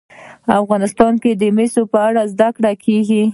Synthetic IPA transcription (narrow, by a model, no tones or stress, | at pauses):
afɣɑnɪst̪ɑnked̪əmesopəaɽazd̪akɽakʰeɡi